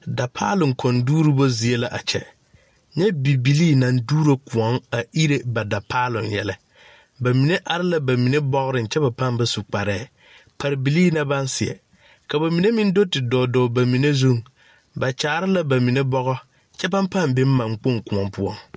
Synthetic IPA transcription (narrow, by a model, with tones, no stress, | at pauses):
da˨pʰaː˦lʊ˨ŋkʰɔ˨nduː˦ɾi˦bo˦zi˨e˦la˨ʔa̰˨t͡ʃɛ̰˨ | ɲɛ˦bi˨bi˨liː˦na˨nduː˦ɾo˦kʊ˨ɔ˦ŋa˨i˦ɾe˦ba˨da˨pʰaː˦lʊ̰˨njɛ̰˨lɛ˦ | ba˨mi˨ne˦ʔa˨ɾɪ˦la˦ba˨mi˨ne˦bɔ˦ɣɾɪ˨n˨t͡ʃɛ˦ba˨pa˦mba˨su˨k͡pa˨ɾɛː˦˨ | pʰa˨ɾɪ˨bi˨liː˦na˦ba˦n˦sɪ˨ɛ̰˨ | ka˨ba˨mi˨ne˦mɪ˦n˦do˦tɪ˨dɔː˨dɔː˨ba˨mi˨ne˦zu˦ŋ | ba˨t͡ʃa˨˦ɾɪ˦la˦ba˨mi˨ne˦bɔ˦ɣɔ˦ | t͡ʃɛ˦ba˦mpa˦˨mbɪ˦m˦mã˨ŋk͡po˦ŋkʊ˨ɔ˨mpʊ˦ɔ˦ŋ